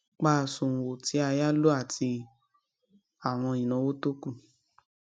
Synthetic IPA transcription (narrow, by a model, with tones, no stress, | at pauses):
k͡pa˦˨sũ˨wo˨ti˨˦a˧ja˦lo˦a˦˨tʰi˧ | a˨w̃ɔ̃˧ĩ˨nã˨˦wo˦to˦ku˦˨